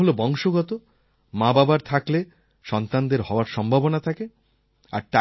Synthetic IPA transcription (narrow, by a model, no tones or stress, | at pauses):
ɦolobɔŋʃoɡɔt̪o | mãbabaɾt̪ʰakle | ʃɔnt̪and̪eɾɦɔoaɾʃɔmbʱabonat̪ʰake | a̰ɾʈa